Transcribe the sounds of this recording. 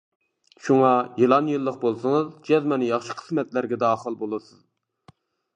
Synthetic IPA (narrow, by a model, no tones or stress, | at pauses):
ʃuŋɑjelˠɑnjɨlˠːəq̚bolˠsɨŋɨzd͡ʒɛzmɑnjɑχʃɨ̥qʰə̥smɛt̪læɾɡʲɛd̪ɑːχəlˠbolˠɨsɨz̥